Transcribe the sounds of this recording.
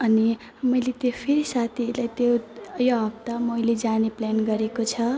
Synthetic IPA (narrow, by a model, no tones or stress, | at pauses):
ʌni | mʌjlet̪jopʰeɾisat̪ʰilajt̪jojoɦʌb̚t̪amʌjled͡zanepljanɡʌɾekot͡sʰʌ